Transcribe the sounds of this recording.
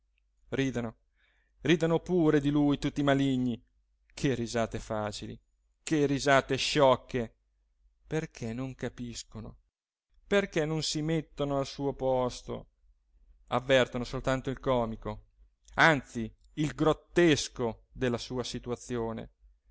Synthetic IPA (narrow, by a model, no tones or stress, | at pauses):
riːd̪ano | riːd̪anopuːɾed̪ilujt̪ut̪ːimaliɲːi | kʰerizaːt̪efaːt͡ʃilḭ | kerːizaːt̪eʃɔkːe | perkʰenoŋkapiskono̰ | perkɛnːonsimet̪ːonoalsuːopɔst̪o̰ | avːɛrt̪onosolt̪ant̪oilkɔːmiko | ant̪si | ilɡɾot̪ːeskod̪elːasuːasit̪uat̪sːjoːnḛ